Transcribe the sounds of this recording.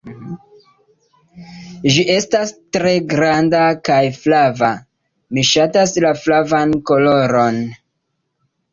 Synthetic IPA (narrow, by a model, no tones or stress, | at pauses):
ʒiʔe̞stastɾe̞ɡɾandakajflava | miʃataslaflavanko̞lo̞ɾo̞n